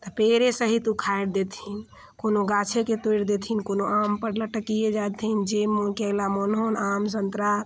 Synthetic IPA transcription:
t̪ɔpeɾesəɦit̪ukʰaeɽd̪et̪ʰin | konoɡat͡ʃʰeket̪ojɾd̪et̪ʰinkonoampəɾləʈəkijed͡ʒat̪ʰind͡ʒemːokelamonɦonamsənt̪ɾa

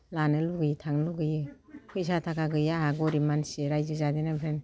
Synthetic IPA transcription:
lanɯluɡɯjitʰaŋluɡɯjɯ | pʰɯjsatʰakaɡɯjaɦaɡɔɾimanseɾajzɯzadinabɾen

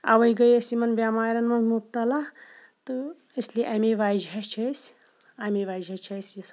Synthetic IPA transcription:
ɐ̰ʋɐjiɡɐjɐsimɐnbʲaːmaːɾʲɐnmɐnzmub̚t̪ɐlaː | t̪ɨ | əslieʔɐmeʋaːd͡ʒɐt͡ʃʰɐsʲ | aːmeʋaːd͡ʒɐt͡ʃʰɐsʲjɐs

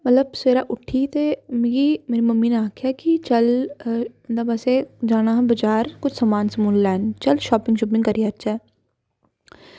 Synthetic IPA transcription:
mət̪ləb̚seːɾaːʔʊʈʰːiːt̪eːmɪɡiːmeːɾiːməmːiːnẽaːkʰjaːkɪt͡ʃəl | nd̪aːbəseːd͡ʒaːñaːbəd͡ʒaːɾkʊt͡ʃʰsamaːnsəmuːllɛːnt͡ʃəlʃɔːpɪ̃ŋɡʃɔːp̬ɪ̃ŋɡkəɾiːəɾt͡ʃɛː

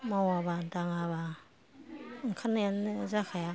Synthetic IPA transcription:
mawabadaŋaβa | ɯŋkʰanajanzakʰaja

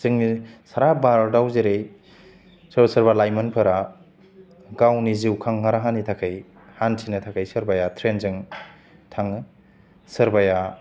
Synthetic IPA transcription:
zɯŋnisaɾabaɾdawzeɾej | sɯɾbɐsɐɾbalajmɐnpʰɐɾa | ɡawniziwkʰaŋhaɾaɦanitʰakʰɯj | hantʰinɐtʰakʰajsɯɾbajatʰɾenzɯŋ | tʰaŋ | sɯɾbaja

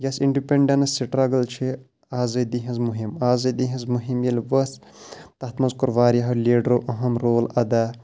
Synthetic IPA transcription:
jɐsiɳɖipeɳɖɐnɐsiʈɾaɡɐlt͡ʃʰi | aːzɐd̪iɦɐ̃zmuɦimaːzɐd̪iɦɐ̃zmuɦimjɐlʲʋɐs | t̪ɐt̪mɐzkuɾʋaːɾʲjaɦɐlʲeːɖɾoʔɐɦɐmɾoːlɐd̪a

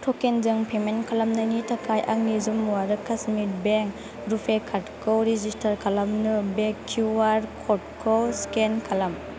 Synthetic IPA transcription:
tʰɔkenzɯŋpʰemenkʰalamnajnitʰakʰajʔaŋnizumuwaɾɯkʰasmit̚beŋk | ɾupʰekʰatkʰowɾed͡ʒistʰaɾkʰalamnɯbekʰːuwaɾkʰɔt̚kʰɔwskenkʰalam

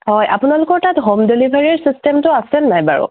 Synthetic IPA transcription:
ɦɔjʔapʊnalʊkɔɹtatɦomdelibʱaɹiɹsistɛmtʊasɛnnajba̰ɹʊ̰

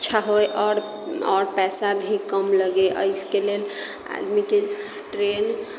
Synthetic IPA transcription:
tːt͡ʃʰaɦojʔɔɾ | ɔɾpɛsabʱikəmləɡeʔə̰jskelel | a̰d̪mike | ʈɾen

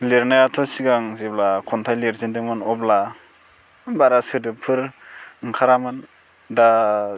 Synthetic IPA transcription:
leɾnajatʰɔsiɡaŋzeblakʰɔntʰajleɾzindɯŋmɯnɔbla | nbaɾasɯdɯpʰɯɾŋkʰaɾamɯn | da

